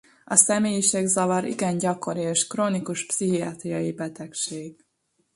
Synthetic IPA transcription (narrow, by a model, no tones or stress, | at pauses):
ɒsɛmeːjiʃɛɡzɒvɒɾḭɡɛnɟɒko̞ɾieːʃkroːnikuʃpsiɦiɒt̪ɾijɒjibɛt̪ɛkʃeːɡ